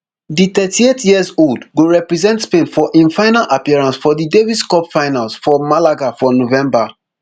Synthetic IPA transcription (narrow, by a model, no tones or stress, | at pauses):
ditɛtʰietʰjiəzoldɡoɹɛpɹizɛ̃ntspẽnfɔʔĩnfaɪnalʔapiɛɹãnsfɔdidevidskɔpfaɪnalsfɔmalaɡafɔnovɛ̃mba